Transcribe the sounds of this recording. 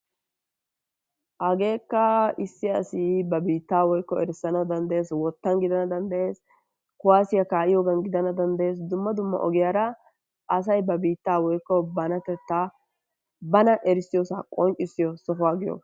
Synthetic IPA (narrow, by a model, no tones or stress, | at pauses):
ʔɐɡe̞ːkːɐɪsːɪɐsɪbɐbiːt̪ːaːwɔjkːɔɛɾɪsːɐnɐd̪ɐnd̪ɐʔe̞ːswɔt̪ːɐnɡɪd̪ɐnɐd̪ɐnd̪ɐʔe̞ːs | kʊwaːsɪjɐkaːʔɪjoːɡɐnɡɪd̪ɐnɐd̪ɐnd̪ɐje̞ːsd̪ʊmːɐd̪ʊmːɐ̰ʔɔɡɪjaːɾɐ | ɐs̬ɐjbɐbiːt̪ːaːwɔjkːɔbɐnɐt̪ɛt̪ːa | bɐnɐʔɛɾɪsɪjɔsaːkʼɔnt͡ʃʼɪsːɪjɔsɔfʊwaːɡɪjo̰ːs